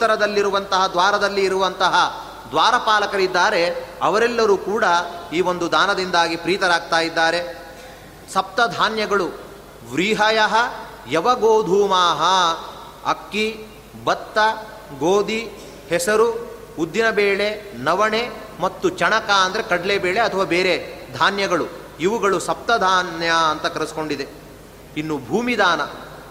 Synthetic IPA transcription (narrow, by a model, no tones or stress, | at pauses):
ut̪ːɐɾɐd̪ɐlːiɾuʋɐnt̪ɐɦɐd̪ʋaːɾɐd̪ɐlːiːɾuʋɐnt̪ɐɦɐ | d̪ʋaːɾɐpaːlɐkɐɾid̪ːaːɾe̞ɐʋɐɾɛlːɐɾuːkuːɽɐiːʋo̞nd̪ud̪aːnɐd̪ind̪aːɡipɾiːt̪ɐɾaːɡ̚t̪aːjid̪ːaːɾe̞ | sɐp̚t̪ɐd̪ʱaːnjɐɡɐɭu | ʋɾiːɦɐjɐɦɐ | jɐʋɐɡoːd̪ʱuːmaːɦɐ | ɐ̰kːi | bɐt̪ːɐ | ɡoːd̪i | hɛsɐɾu | ud̪ːinɐbeːɭe̞nɐʋɐɳe | mɐt̪ːut͡ʃɐɳɐkaːɐnd̪ɐɾekɐɖlebeːɭe̞ɐt̪ʰɐʋaːbeːɾed̪ʱaːnjɐɡɐɭu | iʋuɡɐɭusɐp̚t̪ɐd̪ʱaːnjɐɐnt̪ɐkɐɾɐsko̞ɳɖid̪e̞ | inːubʱuːmid̪aːnɐ̰